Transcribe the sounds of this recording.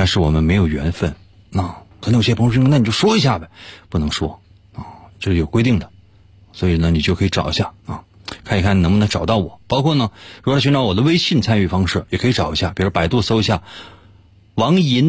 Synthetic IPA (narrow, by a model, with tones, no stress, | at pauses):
a˥ʂɻ̩˥˩wɔ̰˨˩mə˦nme˧˥ɪjo˨˩ʊɥɛ̰˧˥nfə˥˩n | na˥˩xə˧˥njɕjɛ˥pʰna˥˩n˨˩t͡ɕo˥˩ʊ˧ʂwɔ˥i˧˥ɕ̬ja˥˩bɐ˨˩pu˥˩nɤ˧˥ŋʂwɔ̰˥ | a˧˩ʈ͡ʂɤ˥˩ʂ̩˩jo˨˩ʊkwe˥ɪt̪i˥˩ŋd̪ə˩ | swɔ˧˥i˨˩nə˧ni˨˩t͡ɕjo˥˩ʊkʰɤ˧˥˧ʈ͡ʂɑ̰˨˩ʊḭ˧˥ɕja˥˩a˥˧˩kʰa˥˩ni˨kʰn˨nɤ˧˥ŋmə˧n˧˥ʈ͡ʂɑ˨˩ʊt̪ɑ˥˩ʊwɔ˨˩˦pɑ˥ʊkʰwɔ˥˩nə˩ɻu˧˥˧y˧˥nʈ͡ʂɑ˧˥ʊwɔ˨˩d̪ə˦we˥ɪɕi˥˩nt͡sʰa˥ny˥˩fɑ˥ŋʂɻ̩˥˩jɛ˨˩kʰɤ˧˥i˧ʈ͡ʂɑ˨˩ʊi˧˥ɕja˥˩pi˨˩ɻpa˨˩ɪt̪wɔ˥˩so˥ʊi˧˥ɕja˥˩ | wɑ˧˥ŋi˧˥n